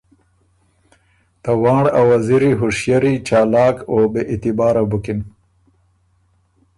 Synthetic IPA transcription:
t̪awɑːɽawaziɾiɦʊʂjaɾit͡ʃaːlɑːkobeʔit̪ɪbɑːɾabukin

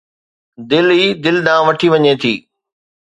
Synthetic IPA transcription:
d̪ɪlɦiːd̪ɪlɗ̪ãːʋɐʈʰiʋɐɲet̪ʰiː

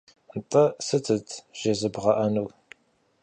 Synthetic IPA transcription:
ntʼɐsɨtʰɨtʰʒ̥ɐzɨbʁɐʔɐnuw

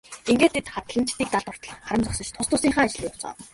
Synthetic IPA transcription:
iŋɡeːt̪ʰːet̪χat̪ə̆ɮə̆n̥t͡ɕt̪iːk̚t̪aɮt̪ʊr̥t̪ɞ̆ɮ̆χaɾə̆mt͡sɔksə̆t͡ɕt̪ʰʊst̪ʊːsiːŋχaːŋat͡ɕɪ̆ɮiːkʊ̥t͡sɢɔ̰ːw

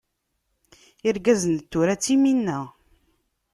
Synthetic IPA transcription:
iɾɡæzənt̪ːuɾæt͡sːiminːæ

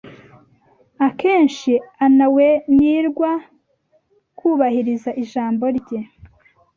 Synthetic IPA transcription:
ake̞ːnʃianaweniːɾɡwa | kuːβahiɾizaʔiʒaːmbo̞ɾɟe

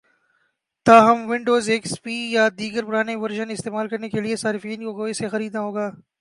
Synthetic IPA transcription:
t̪aːɦɐmʋɪ̃ɳɖoːzeːkspiːjad̪iːɡəɾpʊɾaːneʋɐɾʒənɪst̪eːmaːlkɐɾnekeliesaːɾɪfiːnkokoːisexɐɾiːd̪naɦoːɡaː

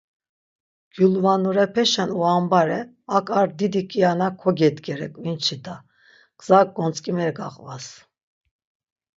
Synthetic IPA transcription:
ɡ̥julvanuɾɛpʰɛʃɛnuambaɾɛ | akʼaɾd̪id̪ikʼijanakʰɔɡɛd̪ɡɛɾɛ̰kʼvint͡ʃʰid̪a | ɡ̥ʼz̥ak̚ʼɡɔnt͡sʼkʼimɛɾɡaqʼvas

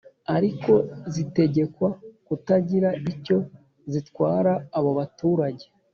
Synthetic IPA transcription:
aɾiko̞zite̞ɟe̞kwakutaɟiɾaico̞ | zitkwaːɾaːβoβatuːɾaɟe̞̥

